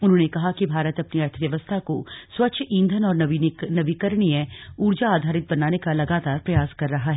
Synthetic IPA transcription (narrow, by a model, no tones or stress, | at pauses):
ʊnɦõːnekɐɦakibʱaːɾət̪ɐpniɐɾt̪ʰəʋjɐʋəst̪ʰakoswɐtːʃʰʔĩːnd̪ʱənɔːɾnɐʋikəɾɽ̃iẽuːɾd͡ʒaaːd̪ʱaːɾɪt̪̚bɐnaːnekalɐɡaːt̪aːɾpɾɐjaːskɐɾːɐɦaɦɛː